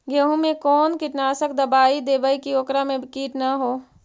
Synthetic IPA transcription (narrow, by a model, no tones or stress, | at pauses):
ɡeɦũmẽkɔːnkɪʈnaːsək̚d̪əbaːid̪eːbəikioːkɾamẽbʱkiːʈnaɦoː